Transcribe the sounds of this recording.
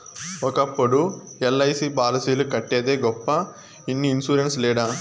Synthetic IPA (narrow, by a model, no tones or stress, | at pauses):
ɔkɐpːuɽuɛlːɐjsibaːlɐsiːlukɐʈːeːd̪eːɡɔpːɐ | inːiːnsuːɾenslɛːɽa